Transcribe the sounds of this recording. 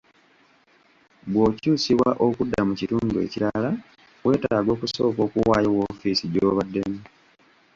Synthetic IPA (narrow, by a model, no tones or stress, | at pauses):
bwo̞ːcuːsiβwaʔokudːamucituːnduḛciɾala | we̞ːtaaːɡo̞ːkuso̞ːko̞ːkuwaːjowofisiɟoːβadːe̞mi